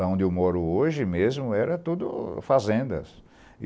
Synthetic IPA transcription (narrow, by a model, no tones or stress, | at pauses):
ɐ̃w̃d̪ɪʊmɔɾʊoʒɪmezmʊɛɾɐt̪ud̪ʊ̰fazẽnd̪ɐ̰s